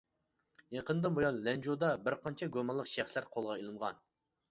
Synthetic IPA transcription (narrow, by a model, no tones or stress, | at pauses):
jeqənd̪ɨnbojɑnlɛnd͡ʒod̪ɑbɪɾqʰɑnt͡ʃʰɛɡʲomɑlˠːəqʃæχslæɾqʰolˠʁɑilˠɨnʁɑ̰n